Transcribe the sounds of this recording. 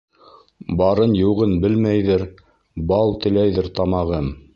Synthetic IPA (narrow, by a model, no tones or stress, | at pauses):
bɑɾɤnjŭʁɤnbɘlmæjðɘɾ | bɑlˠt̪ɘ̆læjðɘɾt̪ɑmɑʁɤm